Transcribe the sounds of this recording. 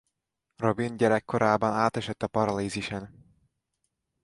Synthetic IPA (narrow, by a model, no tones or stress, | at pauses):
ro̞binɟɛɾɛkːo̞ɾʔaːbɒnaːt̪ɛʃɛt̪ːɒpɒɾɒliːziʃɛn